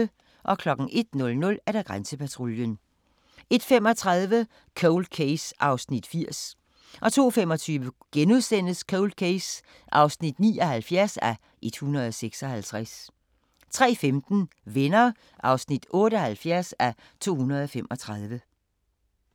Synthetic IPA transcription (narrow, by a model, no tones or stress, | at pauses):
ə | ʔɒ̽kʰlɒ̽ɡ̥n̩ʔe̝d̥nɔ̽lnɔ̽læɐd̥æɡ̥ʁansəpʰæt͡sʰʁo̝ljən | e̝d̥fem̰ɒ̽t͡sʰʁɑðˠʋə | kʰoʊld̥̚kʰeɪsʔɑ̈ʊsnid̥fiɐ̰s | ʔɒ̽t͡sʰo̝̰ːfem̰ɒ̽t͡sʰyːʋə | ɡ̥enuðˠsen̰əskʰoʊld̥̚kʰeɪs | ʔɑ̈ʊsnid̥nḭːɒ̽hælfjæɐsæ | ʔe̝d̥hunɐð̞ˠɒseɡ̥sɒ̽hælt͡sʰʁas | t͡sʰʁɛ̰ːfemd̥n̩ | ʋenɐ | ʔɑ̈ʊsnid̥ɔ̽ːɾəɒ̽hælfjæɐsæ | t͡sʰo̝̰ːhunɐðˠɒ̽fem̰ʔɒ̽t͡sʰʁɑðˠʋə